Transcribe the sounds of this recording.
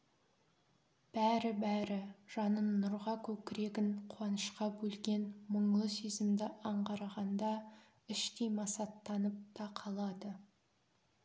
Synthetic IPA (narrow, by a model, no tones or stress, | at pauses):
b̥æɾɪbæɾɪʒ̥ɑnənnːʊɾʁɑkʲʰɵkʲɪɾe̞ɡʲɪɴqʰuwɑnəʃqɑbɵlɡʲe̞nməɴlˠəsezɪmd̪ɪʔɑɴʁɑɾɑʁɑnd̪ɑ | ɪʃt̪ejmɑsɑt̪ːɑnəp̚t̪ʰɑqʰɑlˠɑd̪ə